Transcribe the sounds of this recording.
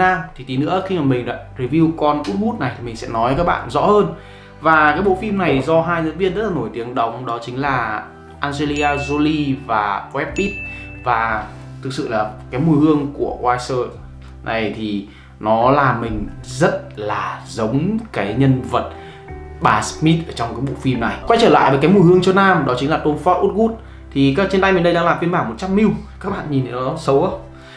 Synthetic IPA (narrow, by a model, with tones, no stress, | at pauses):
naː˧mt̪ʰi˨˩t̪i˨˦nɨ̰˧˥əxi˧maː˨˩mï˨˩ŋ̟za̰ː˨˦ɹi˧˩vi˧wkɔ˧nʔu˦˥t̚mu˦˥t̚na˨˩jt̪ʰi˨˩mï˨˩ŋsɛ̰˧˥nɔ˨˦jka˦˥k̚ɓa̰ː˧˨nzɔ̰˧˥həː˧n | vaː˨˩kaː˨˦jɓo̰˧˨fi˧mna˨˩jzɔ˧ɦaː˧jzə̰˧˥nvi˧ənzə˦˥t̚laː˨˩no˧˩jt̪i˨˦əŋɗə˨˦wŋ͡mɗɔ˨˦t͡ɕï˨˦ŋ̟laː˨˩ | ʔaː˧nze˧li˧aː˧zo˧li˧vaː˨˩wɛ˦˥p̚ʔi˦˥p̚vaː˨˩ | t̪ʰɨ˨˩k̚sɨ̰˧˨laː˨˩kaː˨˦jmu˧˩jhɨ˧əŋku˧˩əwaː˧jsəː˧ | nʔa̰˨˩jt̪ʰi˨˩ | nɔ˨˦laː˨˩mï˨˩ŋ̟zə˦˥t̚laː˨˩zə˨˦wŋ͡mkaː˨˦jɲə˧nvə˨˩t̚ | ɓaː˨˩smi˦˥t̚ʔəː˧˩t͡ɕɔ˧wŋ͡mkaː˨˦jɓo̰˧˨fi˧mna˨˩jkwa˧˦jt͡ɕəː˧˩la̰ː˧˨jvəː˨˦ka˨˦jmu˧˩hɨ˧əŋt͡ɕɔ˧naː˧mɗɔ˨˦t͡ɕï˨˦ŋlaː˨˩t̪o˧nfa˦˥ʔu˦˥t̚ɣu˦˥t̚ | t̪ʰi˨˩kaː˦˥k̚t͡ɕe˧nta˧jme˨˩nɗə˧jɗaː˧ŋlaː˨˩mfi˧ənɓaː˧˩mo˨˩t̚t͡ɕa˧mːi˧wkaː˦˥k̚ɓa̰ː˧˨nɲi˨˩nʔə̰˨˦˨sə˨˦wə˦